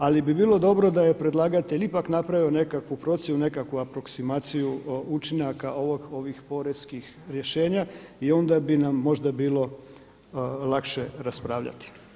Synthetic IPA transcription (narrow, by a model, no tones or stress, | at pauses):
alibibiːlˠo̞d̪o̞bɾo̞d̪ajepɾe̞d̪lˠaːɡat̪elipaknapɾaʋio̞ne̞kakʋupɾo̞t̪sjenune̞kakʋuapɾo̞ksimaːt̪sijuut͡ʃinakaʔo̞ʋoɡo̞ʋixpo̞ɾeskix | ɾje̞ʃe̞ːɲaio̞nd̪abinamːo̞ʒd̪abiːlˠo̞ | lˠakʃeɾaspɾaːʋʎa̰t̪i̥